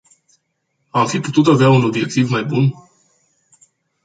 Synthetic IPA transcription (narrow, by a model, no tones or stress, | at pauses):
amfiput̪ut̪aveauno̞bje̞k̚t̪ivmajbun